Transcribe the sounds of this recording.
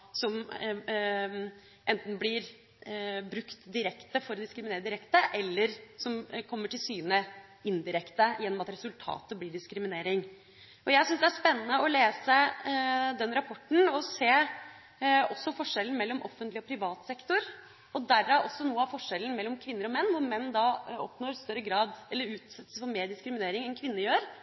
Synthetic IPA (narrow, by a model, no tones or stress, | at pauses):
sɔm | ʔɛnt̪n̩blɪɾ | bɾʉkt̪d̪ɪɾɛkt̪əfɔɾɔd̪ɪskɾɪmɪneːɾəd̪ɪɾɛkt̪əʔɛlːəɾsɔmkʰɔmːəʈʰɪlsyːnə | ɪnd̪ɪɾɛkt̪əjɛnːɔmɑt̪ɾɛsʉlt̪ʰɑ̰ːt̪əblɪɖɪskɾɪmɪneːɾɪŋ | ʔɔjæɪsʏnsd̪ɛæʂpɛnːənəɔleːsə | d̪ɛnɾɑpʰɔʈːɳ̩ɔseː | ɔsːɔfɔʂɛln̩mɛlːɔmʔɔfːənt̪lɪɔpʰɾɪʋɑːt̪sɛkt̪ɔɾ | ɔd̪æɾːɑʔɔsːɔnuːəɑfɔʂɛlən̩mɛlːɔmkʰʋɪnːəɾɔmɛnːʋʊɾmɛnːd̪ɑɔ̰pnoːɾst̪œɾːəɡɾɑːd̪ɛlːəɾʉːt̪sɛt̪ːə̥sfɔɾmeːɖɪskɾɪmɪneːɾɪŋɛnkʰʋɪnːəjøːɾ